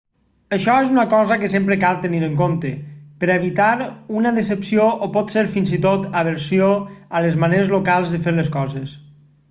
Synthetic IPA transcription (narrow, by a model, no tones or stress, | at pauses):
əʃɔezunəkɔzəkəsempɾəkalˠt̪əniɾəŋkomt̪əpəɾeβit̪aɾunəðesəpsioʔopɔt̪seɾfinzit̪ot̪aβəɾsijoələzmaneɾezlokalˠzðəfeɾləskɔzes